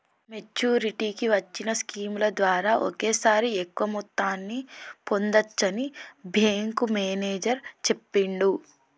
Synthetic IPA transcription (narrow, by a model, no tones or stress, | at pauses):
me̞t͡ʃuːɾiʈiːkiʋɐt͡ʃːinɐskiːmlɐd̪ʋaːɾaːʔo̰keːsaːɾiekʋɐmut̪ːaːnːipo̞nd̪ɐt͡ʃːɐnibʱeːŋkumeːneːd͡ʒɐɾt͡ʃe̞pːiɳɖu